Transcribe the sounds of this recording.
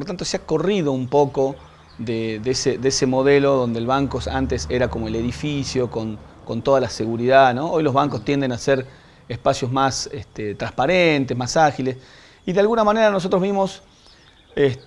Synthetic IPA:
lot̪ant̪oseako̞riðo̞umpo̞ko | ðeðeseðeesemo̞ðe̞lo̞ðo̞nd̪elβaŋkosa̰nt̪eseɾako̞mo̞ele̞ðifisjokon | ko̞nt̪o̞ðalase̞ɣuɾiðano̞ojlozβaŋkost̪je̞nd̪e̞naseɾ | espasjo̞zmasest̪et̪ɾahpaɾent̪ezmasaxiles | iðealɣunamane̞ɾanos̬o̞t̪ɾozβimo̞s | e

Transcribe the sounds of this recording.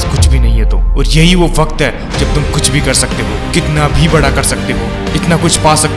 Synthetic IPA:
skʊt͡ʃʰbʱinɐɦĩɦɛt̪õːɔːɾjɐɦiʋoʋɐkt̪ɦɛː | d͡ʒɐb̚t̪ʊmkʊt͡ʃʰbʱikɐɾsɐk̚t̪eɦokɪt̪nabʱibɐɽakɐɾsɐk̚t̪eɦoː | ɪt̪nakʊt͡ʃʰpaːsɐk̚

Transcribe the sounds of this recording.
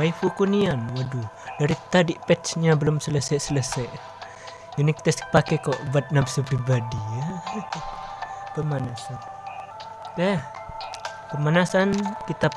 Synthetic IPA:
wajfukunianwədu | daɾit̪adiʔpɛt̪sɲabəlʊmsələsajsələsajʔ | junik̚t̪ɛskpakɛkɔʔbat̪̚napsəpɾibadiə | pəmanasan | t̪ɛh | kəmanasankit̪ap̚

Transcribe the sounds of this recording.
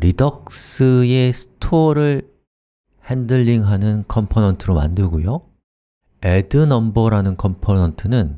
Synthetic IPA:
ɾidʌk̚s͈ɯe̞sʰɯ̥tʰoɾɯɭ | hendɯʎːiŋɦanɯnkʰʌmpʰonʌntʰɯɾoma̰ndɯɭɡojo | edɯnʌmbʌɾanɯnkʰʌmpʰonʌntʰɯnɯn

